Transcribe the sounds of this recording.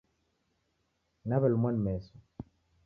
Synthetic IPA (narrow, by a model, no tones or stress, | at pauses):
naβɛlmwanmɛso